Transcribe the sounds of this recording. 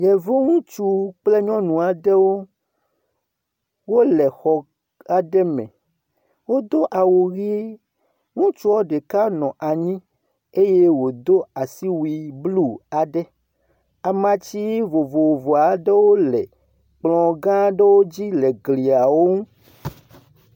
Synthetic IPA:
jɛ˨vo˦ŋũ˦t͡ʃu˦k͡plɛ˦ɲɔ̃˦nũ˨a˨ɖɛ˦wo˦ | wo˦lɛ˨xɔ˨ | a˨ɖɛ˦mɛ̰̃˨ | wo˦d̪o˦ʔa˨wo˨ɣi˦e˦ | ŋũ˦t͡ʃu˦wɔ˦ɖe˨ka˦nɔ̃˨ʔa˨ɲĩ˦ | e˦je˦wo˨d̪o˦a˨si˦wi˨blu˦a˨ɖɛ˦ | a˨mã˨t͡ɕi˦vo˨vo˨wo˨vo˨a˨ɖɛ˦wo˦lɛ˨ | k͡plɔ̃˨ɡã˦ɖɛ˦wo˦d͡ʑi˦lɛ˨ɡli˨a˨wo˦ŋũ˦

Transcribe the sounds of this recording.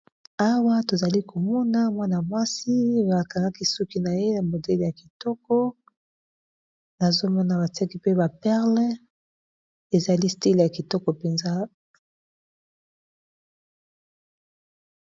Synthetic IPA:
a˦wa˦to˨za˨li˦kʰo˨mɔ˦na˦mwa˦na˨mwa˦si˦ba˨ka˨ŋɡa˦ki˦su˦ki˦na˨je˦na˨mo˨dɛ˦lja˨ki˨tɔ˦kɔ˦ | na˨zo˦mɔ˦na˨ba˨ti˦a˦ki˦pe˦ba˨pɛ˦ʁlɛ˦ | e˨za˨li˦sti˦lja˨ki˨tɔ˦kɔ˨pe˨nza˦

